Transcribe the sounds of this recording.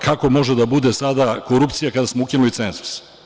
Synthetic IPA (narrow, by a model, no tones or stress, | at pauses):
kʰako̞mo̞ʒed̪abud̪esad̪akoɾupt̪sijakad̪asmoukinulit̪senzu̥s